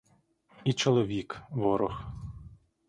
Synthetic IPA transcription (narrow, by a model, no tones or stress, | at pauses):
it͡ʃɔlˠɔʋʲikʋɔɾɔx